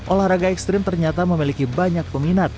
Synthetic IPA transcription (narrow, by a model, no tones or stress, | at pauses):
ʔolahɾaɡaɛkst̪ɾɪmt̪ərɲat̪aməmilikibaɲak̚pəminat̪̚